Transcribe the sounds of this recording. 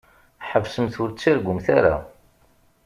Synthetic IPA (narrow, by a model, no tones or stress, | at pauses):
ħəvsəmθʊɾt͡sːaɾɡʷʊmθaɾa̰